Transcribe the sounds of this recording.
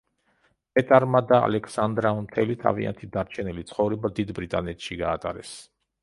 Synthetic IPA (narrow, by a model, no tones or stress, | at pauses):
pʼɛt̪ʼaɾmad̪aa̰lɛksand̪ɾamt̪ʰɛlit̪ʰa̰via̰nt̪ʰid̪aɾt͡ʃʰɛnilit̪sʰχɔvɾɛbad̪id̪bɾit̪ʼanɛt̪ʃiɡaːt̪ʼa̰ɾɛs